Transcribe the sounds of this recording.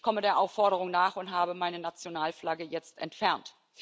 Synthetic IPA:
kʰɔmədeːɐʔaʊfːɔɐɾəʁʊŋnaːχʊntɦaːbəmaɪnənat͡sjonaːlflaɡəjɛt͡stʔɛ̰ntfɛɐnt

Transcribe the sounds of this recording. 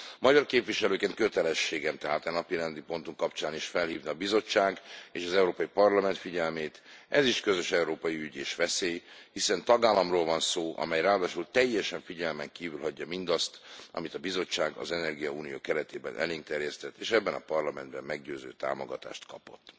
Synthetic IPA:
mɒɟɒrkeːpvʋiʃɛløːkeːnkøt̪ɛlɛʃːeːɡɛmt̪ɛɦaːt̪ɛnɒpiɾɛnd̪ipo̞nt̪uŋkɒpt͡ʃaːniʃfɛlhiːvniːbizo̞t͡ʃːaːɡeːʃɒzɛuɾoːpɒjipɒrlɒmɛnt̪fiɟɛlmeːt̪ɛziʃkø̞zø̞ʃɛuɾoːpɒjiyɟeːʃʋɛseːjhisɛnt̪ɒɡaːlːɒmroːlvɒnsoːʔɒ̰mɛjraːd̪aːʃult̪ɛjːɛʃɛɱfiɟɛlmɛŋkiːvylɦɒɟːɒmind̪ɒst̪ɒ̰mit̪ɒbizo̞t͡ʃːaːɡɒ̰zɛnɛrɡijɒuːnijo̰ːkɛɾɛt̪eːbɛ̰nʔɛ̰liːŋkt̪ɛrjɛst̪ɛt̪ːeːʃɛbːɛnɒ̰pɒrlɒmɛnd̪bɛmːɛɡɟøːzø̰ːt̪a̰ːmo̞̰ɡɒt̪a̰ːʃt̪kɒpo̞̰t̪ː

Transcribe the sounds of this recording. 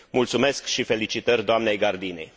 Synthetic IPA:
mult̪sume̞skʃife̞lit͡ʃit̪ərʲd̪oamne̞jɡard̪inḛj

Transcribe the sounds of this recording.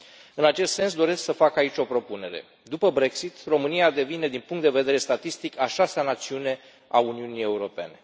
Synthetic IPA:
ɨnat͡ʃe̞st̪se̞ns̬d̪o̞ɾe̞sksəfakait͡ʃʲo̞pɾo̞pune̞ɾe̞̰ | d̪upəbɾe̞ksit̪ro̞mɨnijad̪e̞vine̞d̪inpuŋkt̪d̪e̞ve̞d̪e̞ɾe̞st̪at̪ist̪ikaʃasanat̪siune̞ | auniunije̞uɾo̞pe̞̰ne̞

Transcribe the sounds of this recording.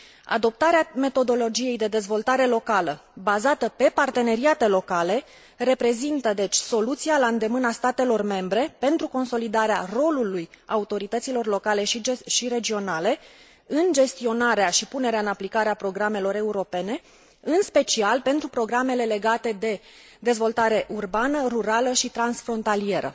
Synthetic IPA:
a̰d̪o̞p̚t̪aɾeame̞t̪o̞d̪o̞lo̞d͡ʒije̞jd̪e̞d̪e̞zvo̞lt̪aɾe̞lo̞kaləbazat̪əpe̞part̪e̞ne̞ɾiat̪e̞lo̞kale̞ | re̞pɾe̞zint̪əd̪e̞t͡ʃʲso̞lut̪sialaɨnd̪e̞mɨnast̪at̪e̞lo̞rme̞mbɾe̞pe̞nt̪ɾuko̞nso̞lid̪aɾearo̞lulujaut̪o̞ɾit̪ət̪silo̞rlo̞kale̞ʃʃiɾe̞d͡ʒio̞nale̞ | ɨnd͡ʒe̞st̪io̞naɾeaʃipune̞ɾeaɨnaplikaɾeapɾo̞ɡɾame̞lo̞ɾe̞uɾo̞pe̞ne̞ | ɨnspe̞t͡ʃialpe̞nt̪ɾupɾo̞ɡɾame̞le̞le̞ɡat̪e̞d̪e̞ | d̪e̞zvo̞lt̪aɾe̞ʔurbanəruɾaləʃit̪ɾansfɾo̞nt̪alie̞ɾə̰

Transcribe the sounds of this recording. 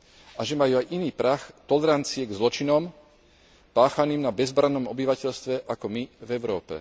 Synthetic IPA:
aʒɛmajuːajʔiniːpɾaxt̪ɔlɛɾant͡siɛɡzlɔt͡ʃinɔm | paːxaniːmnabɛzbɾanːɔmɔbiʋacɛʎst̪ʋɛʔakɔmivɛʊɾɔːpɛ̰

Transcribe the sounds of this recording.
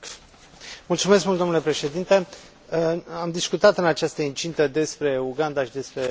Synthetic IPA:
mult̪sumes̬kmult̪onlepɾe̞ʃe̞d̪int̪e̞ | amd̪iskut̪at̪ɨnat͡ʃast̪əint͡ʃint̪əd̪e̞spɾe̞uɡand̪aʃid̪e̞spɾe̞

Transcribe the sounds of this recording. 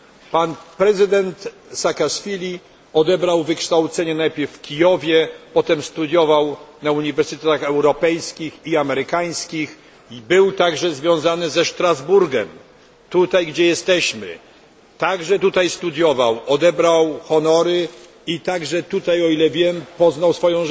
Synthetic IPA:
panpɾɛzɘd̪ɛnt̪ | sakaʂfʲilʲi | ɔd̪ɛbɾawvɘkʂt̪awt̪sɛɲɛnajpʲɛɾffkʲijɔvʲjɛpɔt̪ɛmst̪ud̪ʲjɔvawnauɲivɛɾsɘt̪ɛt̪axɛwɾɔpɛjskʲixiamɛɾɘkaj̃skʲix | bɘwt̪aɡʐɛzvʲjɔ̃w̃zanɘzɛʂt̪ɾazbuɾɡɛm | t̪ut̪ajɡd͡ʑɛjɛst̪ɛɕmɘ̰ | t̪aɡʐɛt̪ut̪ajst̪ud̪ʲjɔvawɔd̪ɛbɾawxɔnɔɾɘ | it̪aɡʐɛt̪ut̪ajɔilɛvʲjɛmpɔznawsfɔjɔ̃w̃

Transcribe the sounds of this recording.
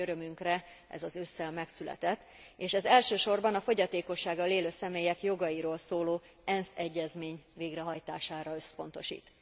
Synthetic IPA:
øɾømyŋkrɛ | ʔɛ̰zɒzøːsɛlmɛksylɛ̰t̪ɛt̪ːeːʃɛzɛlʃøːʃo̞rbɒnɒfo̞ɟɒt̪eːko̞ʃːaːɡɒleːløːsɛmeːjɛkjo̞ɡɒjiɾoːlsoːloː | ɛnsɛɟːɛzmeːɲveːɡrɛɦɒjt̪aːʃaːɾɒø̞spo̞n̪t̪o̞ʃḭːt̪

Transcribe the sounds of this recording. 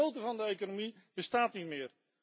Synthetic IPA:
owtəvɑndəejkonomi | b̥əstaːtnitmɪər

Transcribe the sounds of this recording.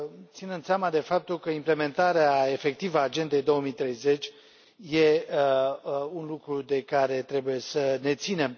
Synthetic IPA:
t̪sinənd̪samad̪e̞fap̚t̪ulkəimple̞me̞nt̪aɾeae̞fe̞k̚t̪ivəaːd͡ʒe̞nd̪e̞jd̪o̞omit̪ɾe̞jze̞t͡ʃʲ | je̞ | unlukɾud̪e̞kaɾe̞t̪ɾe̞buje̞səne̞t̪sine̞m

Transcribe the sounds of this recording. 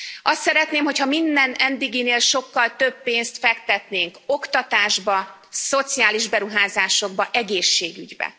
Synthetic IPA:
ʔɒst̪sɛɾɛt̪neːmɦo̞chɒmind̪ɛnɛnd̪iɡineːlʃo̞kːɒlt̪ø̞bːeːnst̪fɛkt̪ɛt̪neːŋko̞kt̪ɒt̪aːʒbɒ | so̞t̪siaːliʒbɛɾuɦaːzaːʃo̞ɡ̚bɒʔɛɡeːʃːeːɡyɟbɛ̰

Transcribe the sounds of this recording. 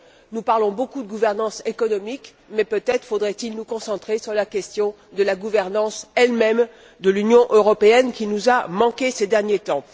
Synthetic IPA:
nupaʁlɔ̃bokud̪əɡuvɛʁnɑ̃sekɔnɔmik | mɛpøt̪ɛt̪χəfod̪ʁɛt̪ilnukɔ̃sɑ̃t̪χesyʁlakʲɛst̪jɔ̃ | d̪əlaɡuvɛʁnɑ̃sɛlmɛm | d̪əlynjɔ̃ʔøʁɔpeɛnkʲinuzamɑ̃kʲesɛd̪ɛʁnjet̪ɑ̃

